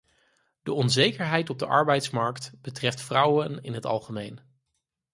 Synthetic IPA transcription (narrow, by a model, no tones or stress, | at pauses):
d̥əɔnzejkəɹɦɛjtɔb̚dəʔɑ̰ɹbɛjtsmɑɹktb̥ətrɛftfrʌwənɪ̰nɦətɑ̰lˠχəmejn